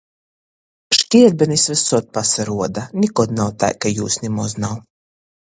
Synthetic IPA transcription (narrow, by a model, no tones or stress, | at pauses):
ʃt̪ʲiɛɾbʲɛnisvɛsɔt̪̚pasaɾuɔd̪anʲikɔd̪nawt̪a̰jkajuːsnʲimɔznaw